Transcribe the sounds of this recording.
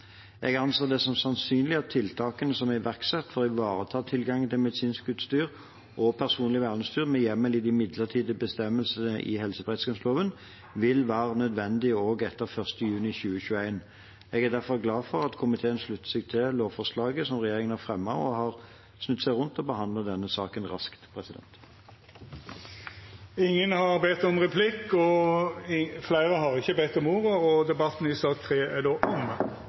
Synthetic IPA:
ɛɡɑnseːd̪ɛsɑmsɑnsyːnlɪɑt̪ʰːɪlt̪ʰɑːkənəsɔmæɪʋæʁksɛt̪ːfɔʁɪʋɑːʁət̪ʰɑːt̪ʰɪlɡɑŋt̪ʰɪlmɛd̪ɪsiːnskʉt̪st̪yːʁ | ʔɔpʰæʁsuːnlɪʋæːʁləst̪yːʁmɛjɛmːəlɪd̪ɪmɪd̪ləʁt̪ʰiːd̪əbəst̪ɛmːəlsənəʔɪ̰hɛlsəbʁɛɪt̪skɑnsloːʋən | ʋɪlʋæːʁənœd̪ʋɛnd̪ɪoːɡɛt̪ːəʁfœʁst̪əjʉːnɪçʉːəçʉːəæɪn | ɛɡæʁd̪æʁfɔʁɡlɑːfɔʁɑt̪kʰʊmɪt̪ʰeːənʂlʉt̪ːə̥sɪɡt̪ʰɪloːʋfɔʁslɑːɡəsɔmʁɛjeːʁɪŋənæʁfʁɛmːɑɔhɑʁ | snʉt̪ːsæɪʁʊnt̪ɔbəhɑnd̪lɑd̪ɛnːəsɑːkənʁɑ̰skt̪pʰʁɛsɪd̪ɛ̰nt̪ | ɪŋːənhɑʁbɛt̪ːɔmʁɛpʰlɪkːɔ | flæɪɾəhɑʁɪçəbɛt̪ːɔmuːʁəɔd̪ɛbɑt̪ːn̩ɪsɑːk̚t̪ʰʁeːæd̪oːʔɔm

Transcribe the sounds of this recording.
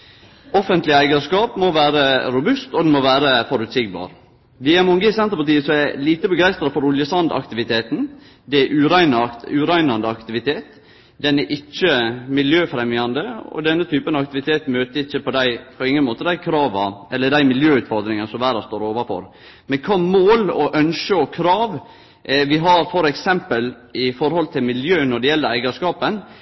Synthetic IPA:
ɔfənt̪lɪəæɪɡəʂkɑːpmɔʋæːɾəɾʊbʉst̪ɔd̪ɛnmɔʋæːɾəfɔɾʉt̪sɪɡbɑ̰ːɾ | ʋijɑmɔŋɡəɪsɛnt̪əɾpɑʈ̪iːəsɔæliːt̪əbəɡæɪst̪ɾɑfɔɾʊljəsɑnd̪ɑ̰kt̪ɪʋɪt̪ʰeːt̪n̩ | d̪ɛæʔʉːɾæɪnɑʉːɾæɪnɑnd̪əɑkt̪ɪʋɪt̪ʰeːt̪ | d̪ɛnæɾʔɪt͡ʃːəmɪljøːfɾɛmjɑnd̪əɔ̰d̪ɛnːət̪ʰyːpənɑɑkt̪ɪʋɪt̪ʰeːt̪møːt̪əɾɪçːəpɔd̪æɪpʰɔɪŋːənmoːt̪əd̪æɪkʰɾɑːʋɑʔɛlːəɖ̪æɪmɪljøːʉːt̪fɔɾd̪ɾɪŋənsɔmʋæːɾɑst̪oːɾoːʋɑfɔ̰ɾ | mɛkʰɑːmoːlɔʔœnʃəɔkʰɾɑːʋ | ʋɪɦɑɾfɔɾɛksɛmpəl | ɪfɔɾhɔlt̪ʰɪlmɪljøːnɔɖɛjɛlːəɾæɪɡɑʂkɑːpən

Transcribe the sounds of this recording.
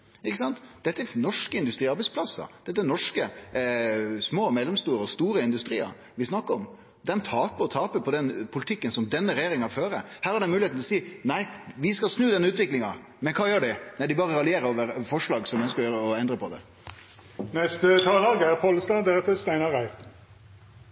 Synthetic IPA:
ɪkːəsɑnt̪d̪̥ɛt̪ːəɛnɔʂkəɪnd̪ʉst̪ɾiːɑɾbæɪtsplɑsːɑ̰d̪̥ɛt̪ːəɛnɔʂkə | smoːmɛlːɛmst̪uːɾəɔst̪uːɾəɪnd̪ʉst̪ɾiːə̰ɾ | ʋɪsnɑkːəɾɔm | d̪ɛnt̪ʰɑːpəɔt̪ʰɑːpəpʰɔd̪ɛnpʰʊlɪt̪ʰɪkːənsɔmd̪ɛnːəɾɛjeːɾɪŋɑføːɾə̰hæːɾhɑɖɛmʉːlɪeːt̪nlɔsiːnæɪʋɪskɑlsnʉːd̪ɛnːəʉːt̪ʋɪklɪŋɑ | mɛnkʰɑːjøːɖɪnæɪd̪ɪbɑːʁəɾɑlɪeːɾəoːʋəɾfɔʂɭɑːɡsɔmɛœnskəɔjøːɾəɔɛnd̪ɾəpɔd̪ɛ̰ | nɛst̪ət̪ʰɑːlɑːɡæʁpʰɔləst̪ɑːd̪eɾət̪əst̪æɪnɑʁæɪ

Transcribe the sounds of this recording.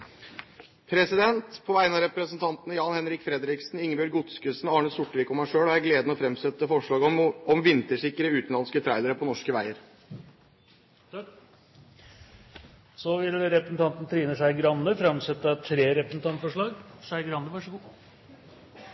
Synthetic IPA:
pʰɾɛsɪd̪ɛnt̪pʰɔʋæɪənɑɾɛpɾəsnt̪ʰɑnt̪nəjɑːnhɛnɾɪkfɾɛd̪ɾɪksn̩ɪŋːəbœɾɡʊt̪skʉsnɑːɳəsʊʈːəʋɪkɔmhæʂøːɽɔæɾɡleːd̪nɔfɾɛmst̪œt̪ːəfɔʂɭɑːɡɔmʋɪnt̪əʂɪkːɾəʉːt̪n̩lɑnskət̪ʰɾæɪd̪əɾəpʰɔnɔʂkəʋæɪəɾ | sɔʋɪlɾɛpɾəsn̩t̪ɑnt̪nət̪ʰɾiːnəʂæɪɡɾɑnːəfɾɑmsɛt̪ːət̪ʰɾeːɾɛpɾəsn̩t̪ʰɑnt̪fɔʂɭɑːɡʂæɪɡɾɑnːəʋɑʂəɡuː

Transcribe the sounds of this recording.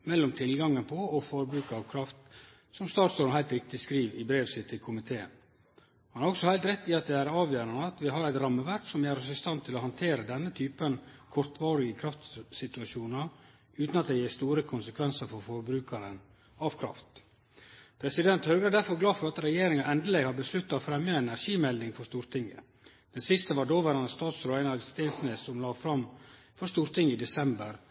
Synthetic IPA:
mɛlːɔmt̪ʰɪlɡɑŋənpʰɔɔfɔɾbɾʉːkəɑʋkʰɾɑft̪ | sɔmst̪ɑːt̪sɔnɦæɪlt̪ɾɪk̚t̪ɪskɾiːʋɪbɾeːʋsɪt̪ʰːɪkʰʊmɪt̪ʰeːə̰n | hɑnhɑɾɔksɔhæɪlt̪ɾɛt̪ːɪɑt̪̚d̪ɛæɾɑːʋjøːɾɑnəɑt̪ʋɪɦɑɾæɪt̪ɾɑmːəʋæɾksɔmjæːɾɔsɪst̪ɑnt̪ʰɪlɔhɑnt̪ʰeːɾəd̪ɛnːət̪ʰyːpənkʰɔɾt̪ʋɑːɾɪɡəkʰɾɑft̪sɪt̪ʉɑʃuːnɑ | ʉːt̪nɑt̪̚d̪ɛjeːst̪uːɾəkʰʊnsəkʰʋɛnsəɾfɔɾfɔɾbɾʉːkɑɾən | ɑʋkʰɾɑ̰ft̪ | pʰɾɛsɪd̪ɛnt̪høːɡɾəd̪æɾfɔɾɡlɑːfɔɾɑt̪ɾɛjeːɾɪŋɑʔɛnd̪əlɛɡhɑɾbəslʉt̪ːɑofɾɛmjəɛnæɾʂiːmɛld̪ɪŋfɔʂst̪uːɾt̪ʰɪŋːə̰ | d̪̥ɛnsɪst̪əʋɑɖoːʋæːɾɑnəst̪ɑːt̪sɾʊʋæɪnɑʋst̪eːnsnessɔmlɑːfɾɑm | fɔʂt̪uːɾt̪ʰɪŋːəɪd̪ɛsɛmbəɾ

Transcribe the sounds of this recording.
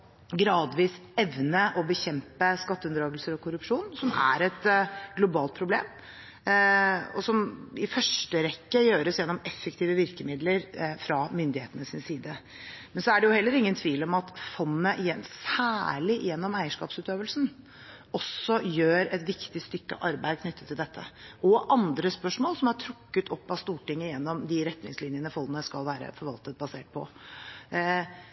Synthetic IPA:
ɡɾɑːd̪ʋiːsɛʋnəʔɔbəçɛmpəskɑt̪ːəʉnd̪ɾɑːɡlsəɾɔkʰʊɾʉpʂuːnsɔmæ̰ɾɛt̪ɡlʊbɑːlt̪̚pʰɾʊblḛːm | ɔ̰sɔmɪfœʂʈəɾɛkːəjøːɾəsjɛnːɔmɛfːəkt̪ʰiːʋəʋɪɾkəmɪd̪ləɾfɾɑmʏnd̪ɪheːt̪ənəsɪnsiːd̪ə | mɛnsɔæɖɛjʊhɛlːəɾɪŋːənt̪ʰʋiːlɔmɑt̪fɔnːəʔjɛnsæːɭɪ̰jɛnːɔmæɪəʂkɑ̰ːpsʉːt̪øːʋəlsn̩ | ɔsːɔjøːɾɛt̪ʋɪkt̪ɪst̪ʏkːə̰ʔɑɾbæɪd̪̚kʰnʏt̪ːət̪ʰːɪld̪ɛt̪ʰːə̰ʔɔʔɑnd̪ɾəspœʂmoːlsɔmɑʈʰɾʊkːət̪ʰɔpːɑst̪uːʈɪŋːəjɛnːɔmd̪ɪɾɛt̪nɪ̰ŋslɪnjənəfɔnənəskɑlʋæːɾə̰fɔɾʋɑlt̪ət̪̚bɑsḛːʈ̚pʰɔ̰

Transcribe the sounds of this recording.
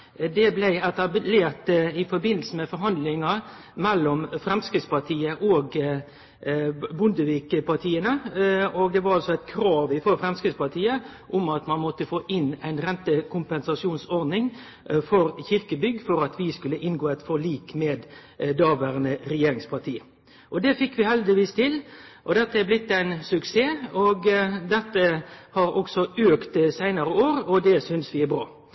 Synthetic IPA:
d̪ɛblæɪɛt̪ɑbleːɾt̪ɪfɔɾbɪnːl̩səmɛfɔɾɦɑnd̪lɪŋɑ | mɛlːɔmfɾɛmskɾɪt̪spɑt̪ʰiːəʔoːɡ | bʊnd̪əʋiːkəpɑt̪ʰiːənəɔɡ̚d̪ɛʋɑɾɑlsɔæɪt̪kʰɾɑːʋɪfɔɾfɾɛmskɾɪt̪spɑt̪ʰiːəʔʊmɑt̪mɑnmɔt̪əfoːʔɪnæɪnɾɛnt̪əkʰʊmpɛnsɑʂjuːnsɔɾd̪nɪŋ | fɔɾçɪɾkəbʏɡːfɔɾɑt̪ʰʋɪskʉlːəʔɪnɡoːæɪt̪fɔɭiːkmeːd̪d̪ɑːʋæɾnəɾɛjeːɾɪŋspʰɑɾt̪ʰiː | ʔɔd̪ɛfɪkːʋɪhɛld̪ɪʋiːst̪ʰɪlʔɔd̪ɛt̪ːəæblɪt̪ːæɪnsʉkseːɔɡd̪ɛt̪ːəhɑɾɔksɔøːkt̪sæɪnɑɾəoːɾɔd̪ɛsʏnsʋɪæbɾɑː

